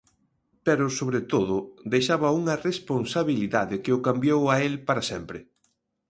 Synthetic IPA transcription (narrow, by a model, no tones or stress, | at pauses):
pɛɾʊsoβɾet̪oðʊd̪ejʃaβɐuŋɐresponsaβiliðaðɪkɪʊkambjowaelpaɾɐsɛmpɾɪ